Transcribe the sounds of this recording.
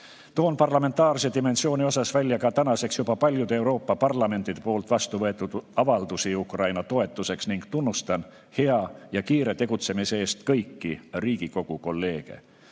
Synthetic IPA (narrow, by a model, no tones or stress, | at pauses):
t̪o̞ːnpɑrlɑme̞nt̪ˑɑːrs̬ed̪ime̞nsio̞ːnʲio̞sɑsvælʲːjɑkɑt̪ænɑse̞ksjubɑpɑlʲjud̪̥ee̞wɾo̞ːpːɑpɑrlɑme̞nt̪ːˑid̪e̞po̞ːlt̪ˑvɑst̪uvɤ̞e̞t̪ːˑud̪̥ɑvɑld̪̥usiukrɑjnɑt̪o̞e̞t̪ːˑuse̞ksniŋɡ̥t̪unːust̪ɑn | he̞ɑjɑkiːɾe̞t̪e̞ɡ̥ut̪se̞miseeːst̪kɤjkːiriːɡ̥iko̞ɡ̥uko̞lːe̞ːɡ̥e̞̰